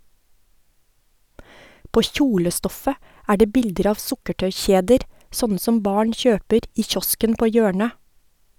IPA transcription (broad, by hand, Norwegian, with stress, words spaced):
ˈpoː ˈçuːləˌstɔfə ˈæː ˈɖeː ˈbɪldəɾ ˈɑːʋ ˈsʊkəʈœʏˌçeːdəɾ ˈsɔnə ˈsɔm ˈbɑːɳ ˈçøːpəɾ ˈiː ˈçɔskən ˈpoː ˈjøːɳə